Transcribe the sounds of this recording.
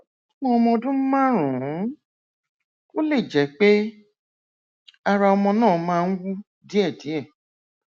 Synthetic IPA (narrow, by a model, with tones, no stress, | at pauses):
mɔ̃˧˦ɔ˧mɔ̃˧dũ˦mã˦ɾũ˨˦ | o˦le˦˨d͡ʒɛ˨˦k͡pe˦ | a˧ɾa˧ɔ˧mɔ̃˧nãː˦˨mãː˧˦wu˦ | di˦ɛ˦˨di˨˦ɛ˦˨